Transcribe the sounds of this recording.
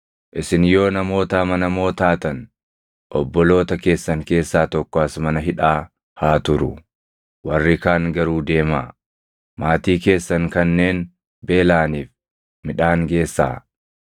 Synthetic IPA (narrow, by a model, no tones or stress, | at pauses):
ʔɪsɪnjo̞ːnɐmo̞ːt̪amɐnɐmo̞ːt̪aːt̪ɐn | ʔɔbːɔlo̞ːt̪ɐke̞ːsːɐŋke̞ːsːaːt̪ɔkːɔɐsmɐnɐɦɪᶑaː | haːt̪ʊɾʊ̰ | wɐrːɪkaːŋɡɐɾuːd̪e̞ːmaː | maːt̪iːke̞ːsːɐŋkɐnːe̞ːn | be̞ːlaːniːf | mɪᶑaːŋɡe̞ːsːa̰ː